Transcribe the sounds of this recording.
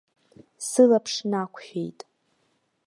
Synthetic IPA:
sɨlapʰʂnakʷʰħʲᶣḛjtʼ

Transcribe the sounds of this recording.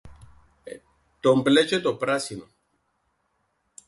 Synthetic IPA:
t̪omplɛt͡ʃet̪opɾasino

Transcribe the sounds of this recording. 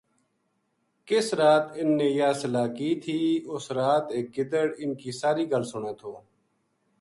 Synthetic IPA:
kɪsɾaːt̪ɪnːẽːjaːsəlaːkiːt̪ʰiːʊsɾaːt̪eːk̚ɡɪd̪əɽɪnkiːsaːɾiːɡəlsʊɳeːt̪ʰoː

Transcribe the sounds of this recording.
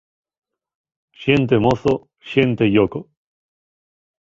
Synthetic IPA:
ɕiẽnt̪emoso | ɕiẽnt̪ejoko

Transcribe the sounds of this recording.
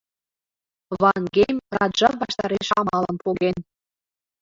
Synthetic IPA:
βɑŋɡejmrɑd̪ʒɑβɑʃt̪ɑɾeʃɑmɑlə̆npoɣen

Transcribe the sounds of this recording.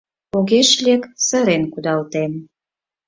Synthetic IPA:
oɣeʃlʲeksəɾenkud̪ɑlt̪en

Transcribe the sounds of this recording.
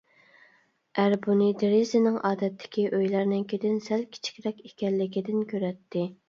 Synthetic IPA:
ʔæɾbunɨd̪eɾizɪnɪŋʔɑːd̪ɛt̪ʰːɪ̥kʲiʔøjlæɾnɪŋkʲʰed̪ɪnsɛlkʲʰi̥t͡ʃʰi̥kʲɾɛkʲekʲɛlːɪkʲid̪ɪnkʲʰøɾɛt̪ʰːɪ

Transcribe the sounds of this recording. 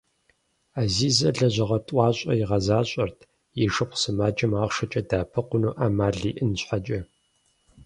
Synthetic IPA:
aːziːzɐɮɐʑɐʁɐtʼʷɑːɕʼɐ̰jɪʁɐzaːɕʼɐrtʰ | jiʃɨpʷsɨmaːt͡ʃʼɐmaːʁʂɐt͡ʃʼɐdaːpʰɨqʷʊnuːʔaːmaːɮiːʔɨnɕħat͡ʃʼɐ

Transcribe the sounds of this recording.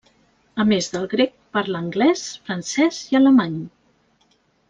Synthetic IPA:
əmezðəlˠɣɾek̚paɾləŋɡlɛsfɾənsɛziələmaɲ

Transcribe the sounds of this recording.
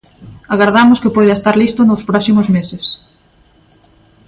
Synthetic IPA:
aɣaɾðamʊskɪpojðaest̪aɾlist̪ʊnospɾɔsimozmeses

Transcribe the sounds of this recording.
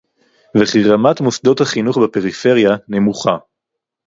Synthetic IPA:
veχiʁamat̪mosd̪o̞thaχinuχbepe̞ʁife̞ʁjane̞muχa

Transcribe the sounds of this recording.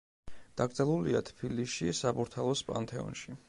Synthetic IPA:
d̪̥aɡɾd̪zɛlˠuliat̪ʰbʰiliʃisabuɾt̪ʰalˠɔspʼa̰nt̪ʰʼɛɔ̰nʃi

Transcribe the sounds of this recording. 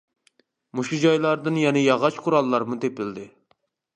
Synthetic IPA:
muʃud͡ʒɑjlˠɑɾd̪ɨnjɛnɛjɑʁɑt͡ʃqʰʊɾɑlˠːɑɾmut̪epɪld̪ɪ

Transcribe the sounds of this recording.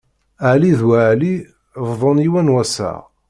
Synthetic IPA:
əʕliðwaʕli | vðˤoniwænwæsə̰ʁ

